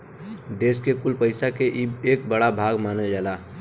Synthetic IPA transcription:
d̪eːskekʊlpəɪsakeʔieːk̚bəɽabʱaːɡmaːnəld͡ʒaːlaː

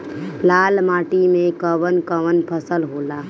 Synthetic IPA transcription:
laːlmaːʈimẽkəʋənkəʋənpʰəsəlɦoːlaː

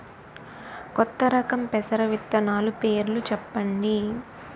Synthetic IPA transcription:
kɔt̪ːɐɾɐkɐmpɛsɐɾɐʋit̪ːɐnaːlupeːɾlut͡ʃɛpːɐɳɖi

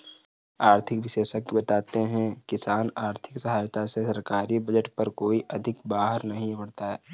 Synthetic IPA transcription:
aːɾt̪ʰɪkʋɪseːʃəkːibɐt̪aːt̪eɦɛ̃kɪsaːnaːɾt̪ʰɪ̥ksɐɦaːjt̪asesɐɾkaːɾibɐd͡ʒəʈpɐɾkoːiʔɐd̪ʱɪkbaːɦəɾnɐɦĩbɐɽt̪aɦɛː

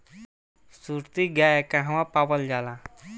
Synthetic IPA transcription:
suɾt̪iɡjajekãɦãʋãpapəld͡ʑala

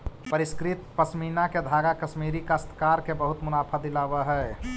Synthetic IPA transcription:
pəɾiskɾɪt̪pəsminaked̪ʱaːɡakəsmiːɾikast̪ʰkaːɾkebəɦʊt̪mʊnaːpʰəd̪ɪlabəɦɛ

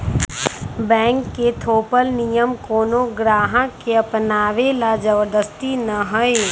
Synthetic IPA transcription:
bɛ̃ːŋkːet̪ʰoːpəlnijəmkoːnõɡɾaːɦãkkeɐpnaːʋelad͡ʒəbəɾd̪əst̪inɐɦʊe

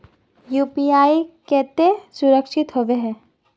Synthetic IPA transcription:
juːpiaːikɛːt̪esʊɾəkʃɪt̪ɦoʋeɦɛ̃ː

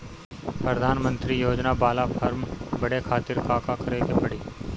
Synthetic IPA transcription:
pɾəd̪ʱaːnmə̃nt̪ɾijoːd͡ʒnabaːlapʰəɾmbɐɽekʰaːt̪ɪɾkaːkakəɾekepɐɽiː

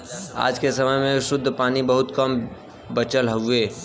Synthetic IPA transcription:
a̰ːd͡ʒkesɐməjmẽʃʊd̪ʱːpaːnibɐɦʊt̪kɐm | bət͡ʃəlɦʊeː

